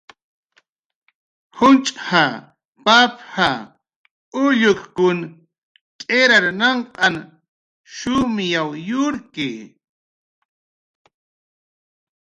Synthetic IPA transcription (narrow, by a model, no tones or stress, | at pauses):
hʊnt͡ʃʼha | papha | ʊʎʊkkʊn | kʼeɾaɾnɑɴqʼɑn | ʃʊmjawjʊɾkɪ